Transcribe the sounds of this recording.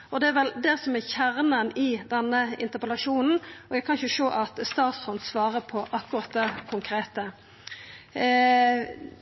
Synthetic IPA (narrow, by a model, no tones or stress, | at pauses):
ɔd̪ɛæɾʋɛld̪ɛːsɔmɛçæʁnənɪd̪ɛnːəɪ̰nt̪əpɛlɑʂuːnn̩ɔækʰɑnçəʃoːʔɑt̪st̪ɑːt̪shɔnd̪sʋɑːʁəpʰɔʔɑkːʊɾɑt̪̚d̪ɛkʰʊŋkʰɾeːt̪ə